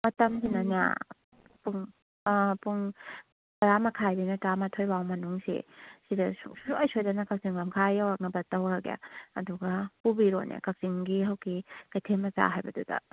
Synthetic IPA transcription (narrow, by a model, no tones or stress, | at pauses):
mɐtɐmsinana̰ | puŋ | puŋ | ɾamɐkʰajdinɐtɾamatʰojbawmɐnuŋsḭsidɐsṵsuajsojdanɐkak̚ziŋbamkʰajawak̚ŋɐbɐtɐwɾaɡja̰ɐ̰duɡɐpubiɾo̰nʔḛkak̚ziŋɡiɦɐwkikajtʰemɐza̰ɦajbɐdudɐ̰